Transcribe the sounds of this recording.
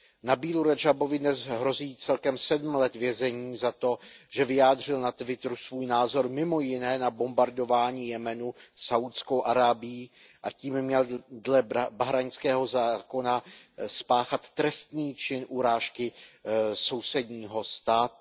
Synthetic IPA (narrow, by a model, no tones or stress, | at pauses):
nabiːluɾad͡ʒabo̞vɪdnɛzɦɾo̞ziːt͡sɛlkɛmsɛdm̩lɛt̪vjɛzɛɲiːzat̪o̞ʒ̥ɛvɪjaːdr̝ɪlnat̪vɪt̪ɾusvuːjnaːzo̞ɾmɪmo̞jɪnɛːnabo̞mbaɾdo̞vaːɲiːjɛmɛnusawt̪skowʔaɾaːbɪjiː | ʔaciːmmːɲɛldlɛbaɦɾaɲskɛːɦo̞zaːko̞naspaːxat̪ːɾɛst̪niːt͡ʃɪnʔuɾaːʃkɪ | so̞wsɛdɲiːɦo̞st̪aːt̪u